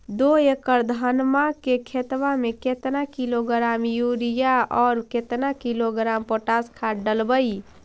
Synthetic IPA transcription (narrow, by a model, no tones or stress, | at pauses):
d̪oekəɾd̪ʱanmakekʰet̪ʋameket̪nakiloɡɾamjuɾijaɔːɾket̪nakiloɡɾampoʈaskʰaɖəlbəi